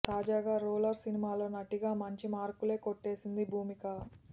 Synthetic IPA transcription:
t̪aːd͡ʒaːɡaːɾuːlɐɾsinimaːlo̞ːnɐʈiɡaːmɐɲt͡ʃimaːɾkule̞ːkoʈːe̞ːsind̪ibʱuːmikɐ

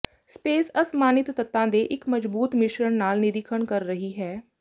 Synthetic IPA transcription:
speːsəsmaːnɪt̪ːət̪ːãːd̪eːʔɪkməd͡ʒbuːt̪mɪʃɾəɳnaːlnɪɾiːkʰəɽkəɾːəɦiːɦɛː

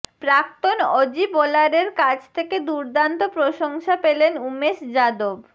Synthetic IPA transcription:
pɾak̚t̪onɔd͡ʑibolaɾeɾkad͡ʑʰt̪ʰeked̪uɾd̪ant̪opɾoʃoŋʃapelenumeʃd͡ʑad̪ob

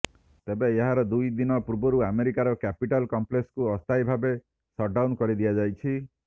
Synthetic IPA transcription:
t̪ebeeɦaɾɔd̪ujd̪inɔpuɾbɔɾuameɾikaɾɔkapiʈalkɔmplekskuɔst̪ajbʱabe | sɔʈɖawnkɔɾid̪ijad͡ʒajt͡ʃʰi

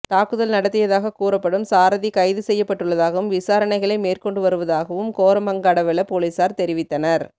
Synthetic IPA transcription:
t̪aːkɯðɐlnɐɽɐt̪ːɪjɐðaːɣɐkuːɾɐpːɐɽɯmsaːɾɐðikɐɪðɯsɛjːɐpːɐʈːɯɭːɐðaːɣɐʋɯmʋɪsaːɾɐnɐɪɣɐɭɐɪmeːrkɔɳɖɯʋɐɾɯʋɐðaːɣɐʋɯmkoːɾɐmɐŋɡaːɽɐʋɛlɐpoːlisaːɾt̪ɛɾɪʋɪt̪ːɐnɐɾ

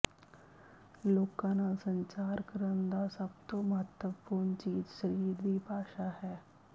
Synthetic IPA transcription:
loːkãːnasə̃ɲt͡ʃaːɾkəɾənd̪aːsəbt̪õməɦət̪wəpuːɾɳt͡ʃiːd͡ʒʃəɾiːɾd̪iːbaːʃaːhɛː

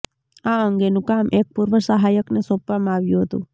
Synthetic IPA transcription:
aəŋɡenũkamʔek̚puɾʋəsəɦajəknesõpʋamãaʋjũɦət̪ṵ̃

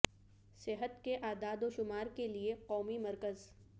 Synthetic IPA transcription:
sɪɦət̪keʔaːd̪aːd̪oʃʊmaːɾkelieqɔːmimɐɾkəz

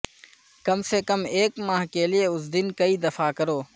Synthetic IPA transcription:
kɐmsekɐmeːkmaːɦkelieʊs̬d̪ɪnkɐid̪ɐfakɐɾoː

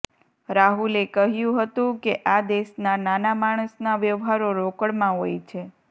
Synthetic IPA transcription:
ɾaɦulekəɦjũɦət̪ũkeʔad̪eʃnananamaɽ̃əsnaʋjəʋɦaɾoɾokəɭmãɦojt͡ʃʰe

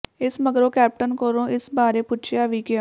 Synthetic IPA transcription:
ɪsməɡɾõːkɛːp̚ʈənkəɾõːʔɪsbaːɾeːpʊt͡ʃʰjaːʋiːkɪa

